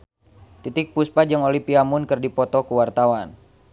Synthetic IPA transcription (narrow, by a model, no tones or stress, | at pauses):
t̪it̪ɪk̚puspad͡ʒɨŋolipiamunkɨrdipɔt̪ɔkuwart̪awan